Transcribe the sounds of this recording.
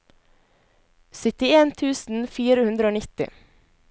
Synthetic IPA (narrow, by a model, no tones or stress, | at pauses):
sʏt̪ɪeːnt̪ʰʉːsn̩fiːɾəhʉnd̪ɾəoːnɪt̪ɪ̰